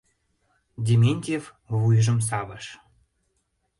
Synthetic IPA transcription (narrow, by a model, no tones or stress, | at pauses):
dʲemʲenʲt̪ʲev | βujʒə̆ms̬ɑβəʃ